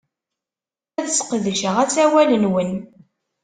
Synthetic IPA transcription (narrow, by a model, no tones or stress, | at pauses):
æðsə̥qðʃəʁæt͡sːæwælənwən